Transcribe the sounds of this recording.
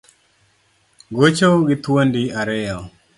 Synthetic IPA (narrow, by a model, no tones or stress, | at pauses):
ɡot͡ʃoɡɪt̪wondiaɾɛjɔ